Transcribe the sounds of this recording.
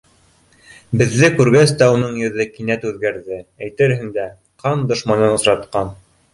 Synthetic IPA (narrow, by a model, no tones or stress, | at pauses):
bɘ̆ðːɘkʉɾɡæst̪æunɤɴjɵ̆ðɘkinæt̪ʉðɡæɾðɘæjt̪ɘ̆ɾɦɘŋd̪æ | qʰɑnd̪ŏʃmɑnɤnŏsɾɑt̪qɑn